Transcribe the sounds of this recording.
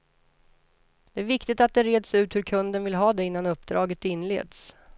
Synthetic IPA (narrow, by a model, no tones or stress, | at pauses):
d̪̥ɛæɾvɪkt̪ɪt̪at̪̚d̪ɛɾeːd̪sʉ̟ːt̪hɵɾkʰɵnd̪ənvɪlɦɑːd̪ɛɪnːanɵpːd̪ɾɑːɡət̪ɪnːlḛːd̪s